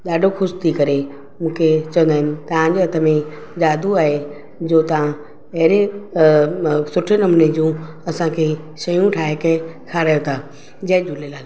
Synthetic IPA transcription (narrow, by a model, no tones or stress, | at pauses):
ɗaːɖʱoxʊʃt̪ʰikɐɾe | mũːkʰet͡ɕɐ̃ʋə̃nd̪aːɦɪnɪ̆t̪ɐʋ̤ãɲd͡ʑeɐt̪ʰəmẽ | d͡ʑaːd̪ʱuaːɦe | d͡ʑoːt̪ɐʋ̤ã | ɐɦɪɾe | sʊʈʰenɐmned͡ʑũː | ɐsãkʰe | ʃɐjũʈʰaːɦekɐkʰaɾəjot̪ʰaː | d͡ʑɐɦɪ̃d͡ʑulelaːl